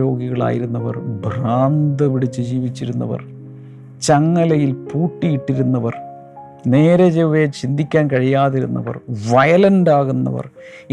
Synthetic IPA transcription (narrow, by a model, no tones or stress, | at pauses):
ɾo̞ːɡiɣɐɭa̰ːjiɾunːɐʋɐ̰rbʱraːnd̪ɐpiɽit͡ɕːɨd͡ʑiːʋit͡ɕːiɾunːɐ̰ʋɐ̰r | t͡ɕɐŋːɐlɐjilpuːʈːijiʈːiɾunːɐʋɐr | ne̞ːɾɐd͡ʑeʋet͡ɕind̪ʱikʲːaːnkɐɻijaːðiɾunːɐ̰ʋɐ̰rʋɐjɐlɐnɖaːɣunːɐ̰ʋɐ̰r